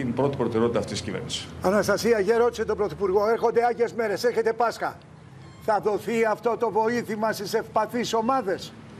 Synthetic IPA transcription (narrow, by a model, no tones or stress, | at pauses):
inpɾo̞t̪ipɾot̪e̞ɾeo̞t̪it̪ɐft̪it̪siscivḛɾnisi̥sɐnɐst̪ɐsiɐʝeɾo̞t̪i̥set̪o̞bɾo̞θipuɾɣo̞e̞ɾxo̞nd̪e̞ɐʝe̞zme̞ɾe̞se̞ɾçe̞t̪e̞pɐsxɐ̰ | θɐðo̞θiɐft̪o̞t̪o̞vo̞iθimɐst̪ise̞fpɐθiso̞mɐðe̞s